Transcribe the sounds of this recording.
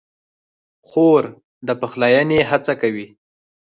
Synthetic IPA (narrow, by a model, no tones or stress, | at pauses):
xoɾ | d̪əpəxlɑjaneɦat͡sakawi